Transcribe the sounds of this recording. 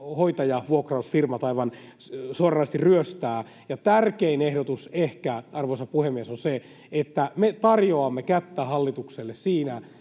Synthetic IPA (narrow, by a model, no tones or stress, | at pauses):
hoit̪ɑjɑʋuokrɑusfirmɑt̪ɑiʋɑn | suorɑːst̪irryøst̪æː | jɑt̪ærkeinehdot̪usehkæɑrʋoisɑpuhemːiesonse | et̪ːæmet̪ɑrjoɑmːekæt̪ːæhɑlːit̪ukselːessiːnæ